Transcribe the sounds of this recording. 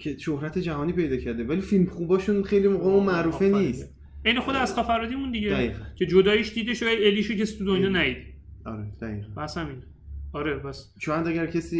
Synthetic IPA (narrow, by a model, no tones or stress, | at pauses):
cʰe̞ʃohɾæt̪ʰed͡ʒæɦɒːniːpe̞jd̪ɒːcʰæɾd̪evæliːfilmχubɒːʃunχejlimoɣɒːmomæʔɾuːfenist̪ | ejnexod̪eæzχɒfæɾɒːd̪imũnd̪iɟedæiːʁæncʰe̞d͡ʒod̪ɒːjiʃd̪iːd̪eʃæeliʃecʰesi̥t̪ud̪onjɒːnæid̪ | ɒ̰ɾed̪̥æiːʁæbæsæmin | ɒɾepæs | ʃojæd̪æɡæɾcʰesiː